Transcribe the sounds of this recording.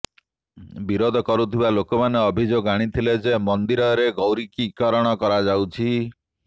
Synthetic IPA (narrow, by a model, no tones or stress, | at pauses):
biɾod̪ʱɔkɔɾut̪ʰibalokɔmaneɔbʱid͡ʒoɡaɽ̃it̪ʰiled͡ʒemɔnd̪iɾɔɾeɡɔwɾikikɔɾɔɽ̃ɔkɔɾad͡ʒawt͡ʃʰi